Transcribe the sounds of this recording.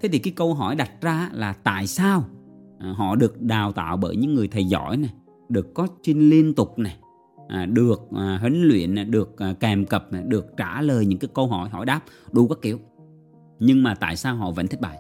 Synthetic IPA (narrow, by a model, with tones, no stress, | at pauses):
t̪ʰe˨˦t̪ʰi˨˩kaː˨˦jkə˧wɦɔ˧˩jɗa˨˩t̚zaː˧˦laː˨˩t̪a̰ː˧˨jsaː˧wʔɦɔ̰˧˨ɗɨ˨˩ək̚ɗaː˨˩wt̪a̰ː˧˨wɓəː˧˩jɲɨ̰˧˥ŋːɨ˨˩əjt̪ʰə˨˩jzɔ̰˧˥jna˨˩j | ɗɨ˨˩əkːɔ˨˦sï˧ŋ̟li˧ənt̪ʊ˨˩k͡p̚na˨˩j | ʔɗɨ˨˩ək̚ːɦï˨˦ŋ̟lwḭ˧˨ən˨˩ɗɨ˨˩ək̚ːɛ˨˩mkə˨˩p̚na˨˩ɗɨ˨˩ək̚t͡ɕaː˧˩ləː˨˩jɲɨ̰˧ŋkaː˨˦jkə˧wɦɔ˧˩jɦɔ̰˧˩˦jɗaː˦˥p̚ɗu˧kaː˦˥kːi˧˩əw | ɲɨ˧ŋmaː˨˩t̪a̰ː˧˨jsaː˧wɦɔ̰˧˨və̰˧˥nt̪ʰi˦˥k̚ɓa̰ː˧˨j